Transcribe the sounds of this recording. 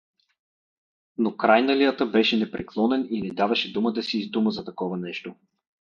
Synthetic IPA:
nokɾajnɐlijət̪əbɛʃɛnɛpɾɛklˠɔnɛninɛd̪avɐʃɛd̪uməd̪ɐsiːzd̪uməzɐt̪ɐkɔvənɛʃt̪o

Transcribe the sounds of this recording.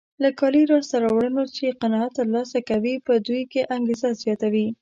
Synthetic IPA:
lakɑliɾɑɽsaɾawɽənot͡ʃeqanɑat̪ːəɾlɑsakawipəd̪ujkeʔaŋɡezazjɑt̪awi

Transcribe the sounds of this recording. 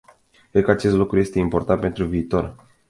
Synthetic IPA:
kɾed̪̚kəat͡ʃe̞st̪lukɾuje̞st̪e̞impo̞rt̪ant̪̚pe̞nt̪ɾuviːt̪o̞r

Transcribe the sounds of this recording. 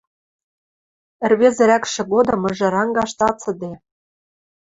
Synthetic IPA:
ɘ̆rβezɘ̆ɾækʃĕɣod̪ɤ̆mɤ̆ʒɤ̆ɾɑŋɡɑʃt̪ɑt͡sɤ̆d̪e

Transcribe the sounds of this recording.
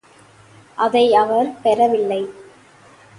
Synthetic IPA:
ʔɐðɐɪɐʋɐɾpɛɾɐʋɪlːɐɪ

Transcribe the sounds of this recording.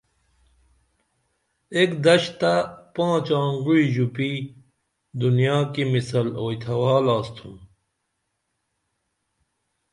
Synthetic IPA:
ekd̪ɐɕt̪apãːt͡ɕãːŋɡuɻiʑupi | d̪unjaːkimisɐloːjt̪ʰɐwaːlaːst̪ʰum

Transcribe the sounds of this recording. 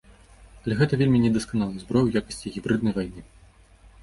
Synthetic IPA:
ɐlʲɛɣɛt̪ɐvʲelʲmʲinʲɛd̪ɐskanalˠɐjzbɾɔjujakɐ̥sʲt͡sʲiɣʲibɾɨd̪nɐjvajnɨ

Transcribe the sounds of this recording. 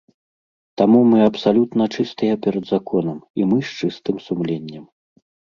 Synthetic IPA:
t̪amumɨɐpsalʲut̪nɐt͡ʂɨst̪ɨjɐpʲɛɾɐd̪zakɔnɐmimɨʂt͡ʂɨst̪ɨmsumlʲenʲːɐm

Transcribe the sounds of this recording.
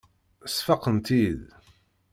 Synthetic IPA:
sfɑqənt̪ið

